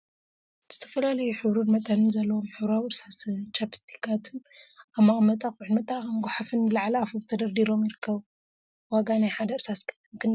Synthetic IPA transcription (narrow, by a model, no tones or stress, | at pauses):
z̥ɨt̪ʰɐ̥fɐlalɐjuħɨβɾunmɐt̪ʼɐnɨnzɐlːɐwomħɨβɾawiɨɾsast͡ʃʰapi̥st̪ʰi̥kʰat̪ʰɨnamːamɐt̪ʼakuʕɨnmɐt̪ʼaɐmɡʷħafɨnlaʕalɐafoβt̪ʰɐd̪ɐɾd̪iɾo̞mjɪɾɨkʰːɐβ | waɡanajħad̪ɐɨɾsaskʰʼɐ̥t̪ʰɨnkʰɨn